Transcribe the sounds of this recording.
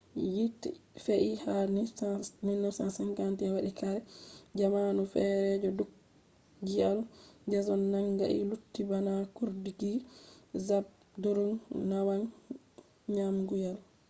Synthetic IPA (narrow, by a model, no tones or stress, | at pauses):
jitifeʔihanininːusansaŋkantiɛwaɗikaɾɛd͡ʒamanufɛɾɛd͡ʒɔduk | d͡ʒiald͡ʒɛzɔnːaŋɡa̰ʔḭlutːibanakuɾdiɡizab̚ | duɾunnawan | ɲamɡujal